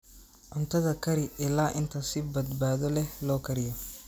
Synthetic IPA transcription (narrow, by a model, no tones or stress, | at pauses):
ʕʊnt̪ʰɐðɐkʰɐɾɪʔɪlaːʔɪnt̪ʰɐsɪbɐd̪baːðɔlɛhlɔːkʰɐɾɪjɔ